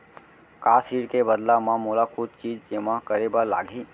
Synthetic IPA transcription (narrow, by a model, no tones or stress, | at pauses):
kasiɽkebəd̪lamãmolakud̪̚t͡ʃid͡ʒsemãkəɾebəla̰ɡʱi